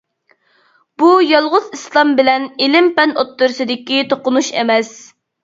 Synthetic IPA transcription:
b̥ujɑlˠʁʊzislˠɑmbɪlɛnɪlɪmpɛnot̪ːʊɾsɨd̪ɪkʲit̪ʰoqʊnuʃḛmɛs

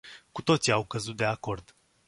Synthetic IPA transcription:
kut̪o̞t̪siawkəzut̪̚d̪e̞ako̞rd̪̥

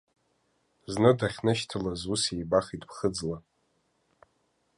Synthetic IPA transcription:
znɨdaχʲnɨʃtʰalazusejbaχʲitʼpʰχəd͡zla

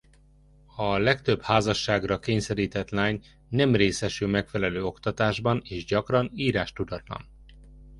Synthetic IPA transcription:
ɒlɛkt̪ø̞bhaːzɒʃːaːɡrɒkeːɲsɛɾiːt̪ɛt̪laːɲ | nɛmreːsɛʃylmɛkfɛlɛløːo̞kt̪ɒt̪aːʒbɒneːʒɟɒkrɒniːɾaːʃt̪ud̪ɒt̪lɒ̰n

